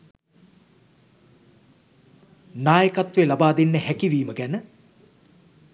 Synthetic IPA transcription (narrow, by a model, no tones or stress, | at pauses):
naːjəkat̪ʋelabaːd̪enːəhækiʋiːməɡænə